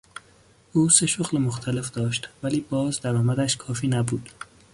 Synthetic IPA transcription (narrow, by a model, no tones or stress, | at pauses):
ʔuːse̞ʃoɣlemoxt̪ʰæle̞fd̪̥ɒːʃt̪væliːbɒːzd̪æɾɒːmæd̪æʃkʰɒːfiːnæbuːd̪̥